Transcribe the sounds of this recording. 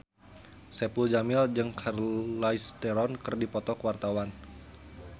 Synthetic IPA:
sɛpuld͡ʒamɪld͡ʒɨŋkʰarlaist̪ɛɾɔnkɨrdipɔt̪ɔkəwart̪awan

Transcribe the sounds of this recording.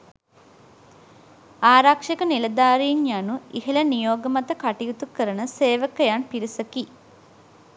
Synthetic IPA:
aːɾakʂekənilɐd̪aːɾiːnjanuiɦelənijoːɡəmat̪əkaʈijut̪ukəɾənəseːʋəkəjanpiɾisəki

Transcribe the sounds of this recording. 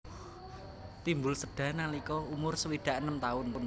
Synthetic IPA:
t̪imbʊlsəɖ̥ä̤nalikɔumʊrsəwiɖ̪̥a̤ʔənəmt̪aʊnpʊn

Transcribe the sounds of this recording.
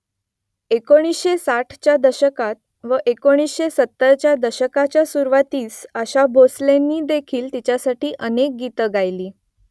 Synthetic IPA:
ekoɽ̃isɕesaʈʰt͡ɕjad̪əɕəkat̪̚ | ʋəʔekoɽ̃isɕesət̪ːəɾt͡ɕjad̪əɕəkat͡ɕjasuɾʋat̪iːsəɕabʱoslenːiːd̪ekʰiːlt̪it͡ɕjasaʈiːʔənek̚ɡit̪əɡʱajliː

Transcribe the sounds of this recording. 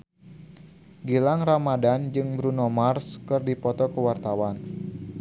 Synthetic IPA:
ɡilaŋramadand͡ʒɨŋbɾunɔmarskɨrdipɔt̪ɔkəwart̪awan

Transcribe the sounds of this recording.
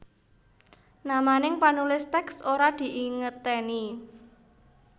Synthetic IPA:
namanɪŋpanulɪst̪ɛksoɾad̪̥i̤ʔiŋət̪eni

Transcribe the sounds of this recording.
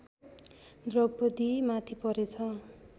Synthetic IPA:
d̪rʌbʌd̪imat̪ʰipʌɾet͡sʰʌ

